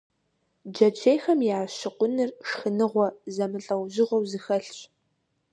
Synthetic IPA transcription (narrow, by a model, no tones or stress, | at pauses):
d͡ʒɐt͡ʃʰeːjxɐmjaːʃɪqʷʊnɨrʂxɨnɨʁʷɔzɐmɨɬʼɐwʒɪʁʷɔwzɨxɐɬɕʼ